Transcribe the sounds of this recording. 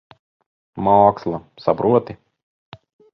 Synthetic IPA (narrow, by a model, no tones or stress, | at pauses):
mɔːkslˠɐsapɾuɔt̪i